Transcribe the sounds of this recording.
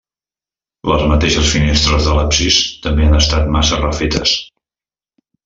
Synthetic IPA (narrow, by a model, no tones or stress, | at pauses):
ləzmət̪eʃəsfinest̪ɾəzðələpsist̪əmbeanəst̪at̪̚masərəfet̪ə̰s